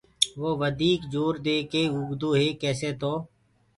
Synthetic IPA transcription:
ʋoːʋəd̪iːkd͡ʒoːɾd̪eːkeːʊɡd̪uːɦeːkɛːseːt̪oː

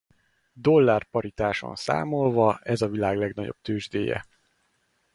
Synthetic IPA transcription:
d̪o̞lːaːrpɒɾit̪aːʃo̰nsa̰ːmo̞lvɒɛzɒvilaːɡlɛɡnɒɟo̰b̚t̪øːʒd̪eːjɛ̰

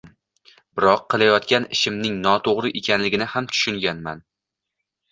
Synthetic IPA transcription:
bɪɾɒqʰːɨlˠajɒt̪kʲanɪʃɪmnɪŋnɒt̪ʰoʁɾɪʔekʲʰanlɪɡʲɪnɪhamt̪ʰʊ̥ʃʊŋɡʲanman

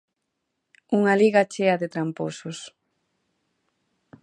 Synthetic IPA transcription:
uŋaliɣat͡ʃeɐðet̪ɾamposʊs

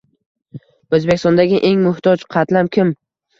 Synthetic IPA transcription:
ɵzbekʲɪst̪ɒnd̪aɡʲɪʔe̞ŋmʊht̪ʰɒt͡ʃqʰɑt̪lamkʲʰɪm

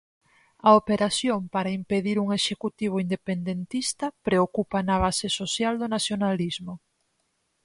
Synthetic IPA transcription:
ɐopeɾaθjompaɾaimpeðiɾuŋeʃekut̪iβ̞oind̪epend̪ent̪ist̪ɐpɾeokupanɐβ̞asesosjald̪onaθjonalizmo

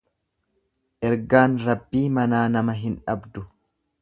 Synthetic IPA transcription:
ʔɛɾɡaːnɾɐbːiːmɐnaːnɐmɐɦɪnᶑɐbd̪ʊ

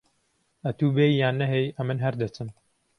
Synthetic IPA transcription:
ɐt̪uːbejːaːnːɐɦejɐmɨnɦɐɾd̪ɐt͡sɨm

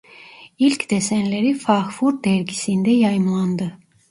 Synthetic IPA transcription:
ilʲcd̪̥esænleɾifɑxfuɾd̪æɾɟisind̪ɛjɑjɯmlˠɑnd̪ɯ

